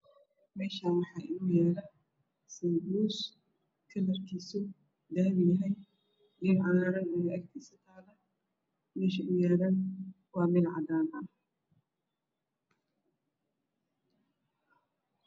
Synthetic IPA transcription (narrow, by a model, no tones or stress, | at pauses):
mɛːʃaːnwɑħɑːʔɪnuːjɛːɾɐ | sibuːs | kʰɐlɐrkʰiːsʊ | d̪aːβɪjɐɦɛj | ʔɪʕɑðaːɾɐnɛnʔɐkt̪ʰiːsɐt̪ʰaːlɐ | mɛːʃɐʔʊjɛːɾɐn | wɑːmɪðʕɑ̰d̪aːnɐ